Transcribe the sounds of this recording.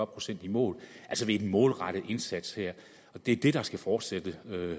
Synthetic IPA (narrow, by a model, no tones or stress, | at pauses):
ɒ̥pʰʁo̝sen̰d̥imɔ̰̽ːlʔælsəʋe̝ednmɔ̽ːlʁɑ̈ɾ̥ð̩ˠe̝nsæd̥sheɐ̰ | ɒ̽d̥e̝ɐd̥e̝ɾ̥ɑ̈sɡ̥æfɒːd̥sed̥əø